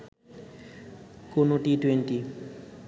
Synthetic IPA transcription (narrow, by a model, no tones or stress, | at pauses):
konoʈiʈweɳʈi